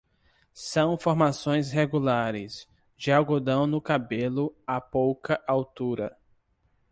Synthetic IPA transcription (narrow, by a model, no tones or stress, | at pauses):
sɐ̃w̃foɾmasõj̃sɦeɡulaɾɪs | d͡ʒɪaɡod̪ɐ̃w̃nʊkabelʊapowkɐʔawt̪uɾɐ